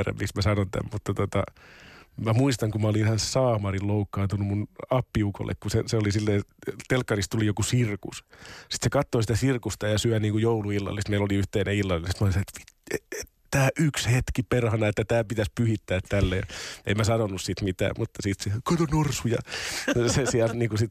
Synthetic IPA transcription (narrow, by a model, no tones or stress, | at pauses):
ræ̰mmiksmæsɑnont̪æ̰mmut̪ːɑt̪ot̪ɑ | mæmuist̪ɑŋkummæolihɑnssɑːmɑrilloukːɑːnt̪unumunɑpːiuko̰lːḛkkuseseolisilːeːt̪elkːɑrist̪ulijokusirkussi̥t̪sekɑt̪ːosit̪æsirkust̪ɑjɑsyæniːŋkujouluilːɑ̰lːˑisit̪meiloliyht̪eːneilːɑlinsit̪moliseet̪ʋi̥ee | t̪æːʔykshet̪kiperhɑnɑet̪ːæt̪æːpit̪æspyhit̪ːæːt̪t̪ælːej̰emmæsɑnonːussit̪mit̪æ̰ːmmut̪ːɑsit̪siækot̪onorsujɑ̰ | sesiælt̪niːŋkusit̪